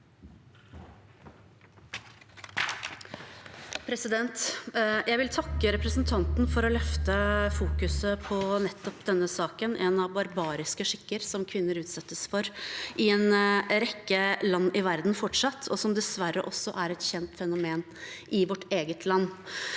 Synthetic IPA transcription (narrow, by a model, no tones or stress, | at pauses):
pʰɾɛsɪd̪ɛnt̪jæɪʋɪlt̪ʰɑkːəɾɛpɾəsnt̪ʰɑnt̪nfɔɾɔlœft̪əfuːkʉsəpʰɔnɛt̪ːɔpd̪ɛnːəsɑːkənʔɛnɑʋbɑɾbɑːɾɪskəʂɪkːəɾsɔmkʰʋɪnːəɾʉːt̪sɛt̪ːəsfɔɾʔɪɛnɾɛkːəlɑnːɪʋæɾd̪n̩fɔʈʂɑt̪ʰːɔsɔmd̪ɛsʋæɾːəʔɔsɔʔæɾɛt̪çɛnt̪fɛnʊmeːn | ʔɪʋɔʈeːɡət̪ʰlɑnː